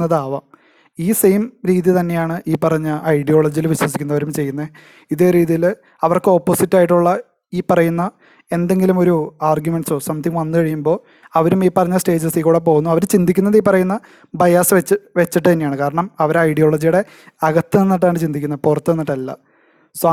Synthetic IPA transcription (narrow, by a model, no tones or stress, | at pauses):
ɐðaːʋɐ | iːsejmɾiːðit̪ɐnːe̞jaːɳɨʔiːpːɐrɐɲːɐʔɐjɽijo̞ːɭɐd͡ʑijilʋiɕwɐs̬ikʲːunːɐʋɐɾumt͡ɕe̞jːunːɐ | iðe̞ːɾiːðijil | ɐʋɐrkɨo̞pːoːsitːaːjiʈːuɭːɐ | iːpɐrɐjunːɐ | e̞nd̪e̞ŋɡilumo̞ɾuaːrɡjumeɳɖɨsoːsɐmt̪ːiŋʋɐnːɨkɐɻijumbo̞ː | ɐʋɐɾumiːpɐrɐɲːɐsʈe̞ːd͡ʑɐsiːkuːɽep̬o̞ːɣunːuɐʋɐɾt͡ɕind̪ʱikʲːunːɐðiːpːɐrɐjunːɐ | bɐjaːsʋet͡ɕːʋet͡ɕːiʈːɨt̪ɐnːejaːɳɨkaːɾɐɳɐmɐʋɐɾɐjɽijo̞ːɭɐd͡ʑijuɽe̞ | ɐɣɐt̪ːɨnenːiʈ̬ːaːɳɨt͡ɕind̪ikʲːunːɐðpurɐt̪ːɨnenːiʈːɐlːɐ̰ | sa